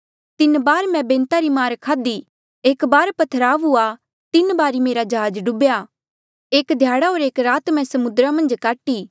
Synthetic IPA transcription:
t̪ɪnbaːɾmɛ̃bẽːnt̪aɾimaːɾkʰaːd̪i | eːkbaːɾpɐt̪ʰəɾaːʋua | t̪ɪnbaːɾimeːɾad͡ʒɐɦaːd͡ʒɖʊbja | eːkd̪ʱjaːɽaɦoːɾeːkɾaːt̪mɛ̃sɐmʊd̪ɾamɐ̃nd͡ʒkaːʈiː

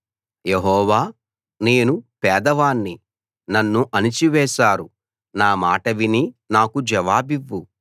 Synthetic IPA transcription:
jeɦɔːʋaː | ne̞ːnupɛːd̪ɐʋaːnːi | nɐnːuʔɐnit͡ʃiʋɛːʃaːɾu | naːmaːʈɐʋininaːkud͡ʒɐʋaːbiʋːu

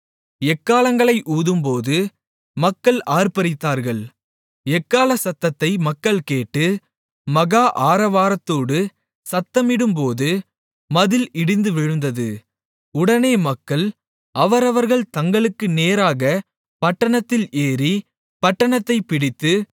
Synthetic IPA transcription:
ɛkːaːlɐŋɡɐɭɐɪʔuːðɯmpoːðɯ | mɐkːɐɭaːɾpɐɾɪt̪ːaːɾɣɐɭ | ɛkːaːlɐsɐt̪ːɐt̪ːɐɪmɐkːɐɭkeːʈːɯ | mɐɣaːʔaːɾɐʋaːɾɐt̪ːoːɽɯ | sɐt̪ːɐmɪɽɯmpoːðɯ | mɐðɪlɪɽɪnd̪ɯʋɪɻɯnd̪ɐðɯ | ʊɽɐneːmɐkːɐɭ | ʔɐʋɐɾɐʋɐɾɣɐɭt̪ɐŋɡɐɭɯkːɯneːɾaːɣɐ | pɐʈːɐɳɐt̪ːɪleːɾi | pɐʈːɐɳɐt̪ːɐɪpɪɽɪt̪ːɯ

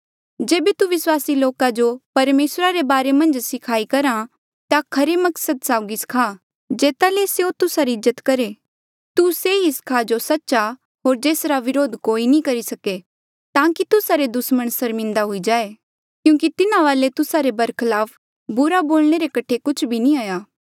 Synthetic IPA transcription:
d͡ʒeːbet̪uʋɪswaːsiloːkad͡ʒopɐɾmeːsɾaɾebaːɾemɐ̃nd͡ʒsɪkʰaːikɐɾa | t̪akʰɐɾemɐksəd̪saːʊɡiskʰaː | d͡ʒeːt̪aleseot̪ʊsaɾiɪzːət̪kɐɾe | t̪useɦiskʰad͡ʒosɐtːʃa | ɦoːɾd͡ʒeːsɾaʋɪɾoːd̪koːinĩkɐɾisɐke | t̪ãːkit̪ʊsaɾed̪ʊsməɽ̃sɐɾmɪ̃nd̪aɦʊid͡ʒaːe | kjũːkit̪ɪnãʋaːlet̪ʊsaɾebɐɾkʰɐlaːp | bʊɾaboːlɽ̃eɾekɐʈʰekʊt͡ʃʰbʱinĩaːjaː

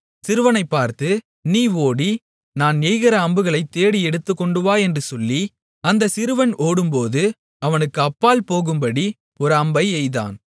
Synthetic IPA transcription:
sɪɾɯʋɐnɐɪpːaːɾt̪ɯ | niːoːɽi | naːnejɣɪɾɐːmbɯɣɐɭɐɪt̪ːeːɽiɛɽɯt̪ːɯkːɔɳɖɯʋaːɛndrɯsɔlːi | ɐnd̪ɐsɪɾɯʋɐnoːɽɯmpoːðɯ | ɐʋɐnɯkːɯɐpːaːlpoːɣɯmbɐɽi | ɔɾɯɐmbɐɪɛɪða̰ːn

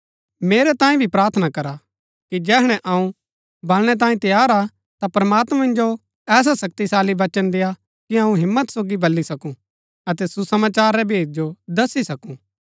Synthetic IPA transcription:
meːɾɛt̪ãːĩbʱipɾaːɾt̪ʰnakɐɾa | kid͡ʒɛːɦɽ̃ɛ̃ʔɐũ | bɐlɽ̃ɛt̪̬ãːĩt̪ɐjaːɾa | t̪apɾɐmaːt̪mɛ̃mɪ̃nd͡ʒo | ɛːs̬asɐk̚t̪isaːliʋɐt͡ʃənd̪eːja | kiɐũɦɪmːət̪soːɡibɐlːisɐkũ | ɐt̪ɛsusɐmaːt͡ʃaːɾːɛbʱeːd͡ʒ̚d͡ʒod̪ɐsːisɐkũː

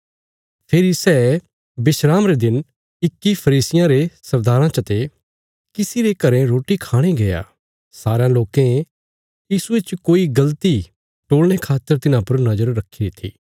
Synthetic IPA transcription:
pʰeːɾisɛ | bɪʃɾaːmɾed̪ɪn | ɪkːipʰɐɾiːsɪjãɾesɐɾd̪aːɾãt͡ʃɐt̪e | kɪsiɾekɐɾẽɾoːʈikʰaːɽ̃ẽɡɐja̰ː | saːɾãloːkẽ | jiːsuet͡ʃkoːiɡɐlt̪i | ʈoːlɽ̃ekʰaːt̪ːəɾt̪ɪnãpɐɾnɐd͡ʒəɾːɐkʰːiɾit̪ʰḭː

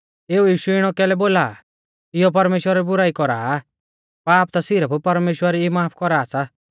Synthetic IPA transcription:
eːujiːʃuɪɽ̃ɔkɛːlɛboːla̰ː | ɪjɔp̬ɐɾmeːʃwəɾaɾibʊɾaːikɔɾa̰ː | paːp̚t̪asɪɾəppɐɾmeːʃwəɾiimaːpʰkɔɾaːsʰa

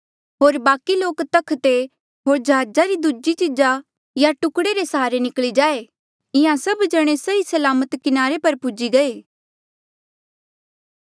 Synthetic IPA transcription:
ɦoːɾbaːkiloːkt̪ɐkʰt̪e | ɦoːɾd͡ʒɐɦaːd͡ʒaɾid̪ud͡ʒit͡ʃɪd͡ʒa | jaʈʊkɽeɾesɦaːɾenɪkɭid͡ʒaːe | ɪ̃ãsɐbd͡ʒɐɽ̃esɐɦisɐlaːmət̪kɪnaːɾepɐɾpʊd͡ʒiɡɐeː

